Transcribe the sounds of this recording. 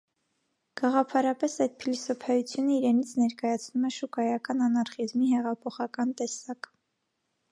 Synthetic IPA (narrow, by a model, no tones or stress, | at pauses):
ɡ̥ɑʁɑpʰɑɾɑpɛsɑjd̪̚pʰilisɔpʰɑjut͡sʰjunəiɾɛnit͡sʰnɛɾkɑjɑt͡sʰnumɛʃukɑjɑkɑnɑnɑɾχizmiɦɛʁɑpʰɔχɑkɑnt̪ɛsɑk